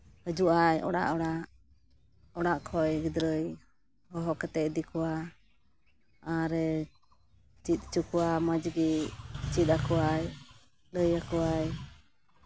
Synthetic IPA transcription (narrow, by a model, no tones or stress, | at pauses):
həd͡ʒuʔajɔ̰ɽa̰ʔɔɽaʔ | ɔɽaʔkʰɔjɡid̪ɾəj | hɔɦɔkɛt̪ɛʔd̪ikuwa | aɾɛ | t͡ʃit̪̚ˀt͡ʃukuwaməd͡ʒɡit͡ʃit̪̚akɔwaj | ləjakuwaj